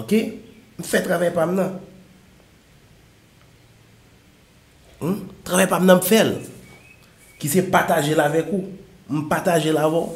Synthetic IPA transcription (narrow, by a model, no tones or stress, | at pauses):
okem̩fɛt̪ʁavajpamnɐ̃ | t̪ʁavajpamnɐ̃m̩fɛl | kisɛpat̪aʒelavɛku | m̩pat̪aʒelavɔ̃